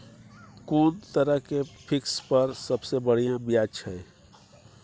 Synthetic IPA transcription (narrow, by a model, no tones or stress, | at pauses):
kuːnt̪əɾəɦkepʰɪkspəɾsəbsebəɽ̤ijãbijat͡ʃʰəe